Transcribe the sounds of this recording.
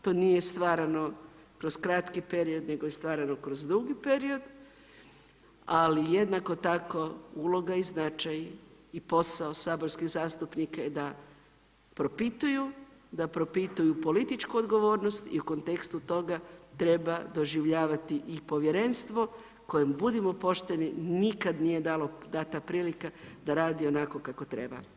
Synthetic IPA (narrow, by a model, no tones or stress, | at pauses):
t̪o̞ːnijest̪ʋaːɾano̞ | kɾo̞skɾat̪kipe̞ɾio̞d̪ne̞ɡojest̪ʋaːɾano̞kɾozd̪ɾuɡipe̞ɾio̞d̪ | alije̞d̪nako̞t̪ako̞ulo̞ɡaiznat͡ʃajipo̞saosaːboɾskiɣzaːst̪upnikaed̪a | pɾo̞pit̪ujud̪apɾo̞pit̪ujupo̞lit̪it͡ʃkuod̪ɡo̞ʋo̞ːɾno̞st̪ḭuko̞nt̪e̞kst̪ut̪o̞ɡat̪ɾe̞bad̪o̞ʒiʋʎaːʋat̪iʔipo̞ʋjeɾe̞nst̪ʋo̞ | ko̞jembud̪imo̞po̞ʃt̪e̞ninikad̪nije̞d̪alo̞d̪at̪apɾiːlikad̪aɾaːd̪io̞nako̞kako̞t̪ɾe̞ba̰